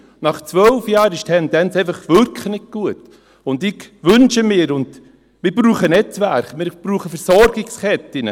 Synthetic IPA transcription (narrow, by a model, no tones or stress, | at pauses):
nɑχt͡sʋœlfjɑːɾɪʃtʰɛndɛnt͡seɪfɑχʋʏɾkʰχnɪkɡ̥uət | ʊndɪɡʋʏnʃəmɪːəɾʊnd | mɪɾbɾuːχənɛt͡sʋæɾχmɪɾb̥ɾuːχəfɛɾsɔɾɡ̥ɪkskɛtːɪnə